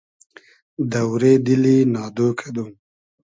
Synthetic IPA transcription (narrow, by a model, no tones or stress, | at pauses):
d̪awɾed̪ilinɑːd̪okʰed̪um